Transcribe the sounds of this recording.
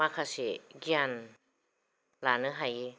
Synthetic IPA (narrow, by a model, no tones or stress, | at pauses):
makʰasiɡian | lanɯɦaji